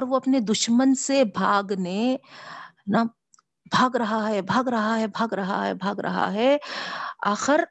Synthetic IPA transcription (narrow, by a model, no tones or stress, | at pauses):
ɔːɾʋoɐpned̪ʊʃmənsebʱaːɡne | na | bʱaːɡɾɐɦaɦɛbʱaːɡɾɐɦaɦɛbʱaːɡɾɐɦa̰ɦɛ̰bʱaːɡɾɐ̰ɦa̰ɦɛ | aːxɪɾ